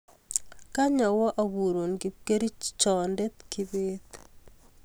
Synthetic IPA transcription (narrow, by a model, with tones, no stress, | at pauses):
ka˦ɲa˨wɔ˦ʔa˨βu˨ɾo˨ŋɡi˨pke˦ɾi˦t͡ʃɔ˨nde˦t̪ki˨βet̪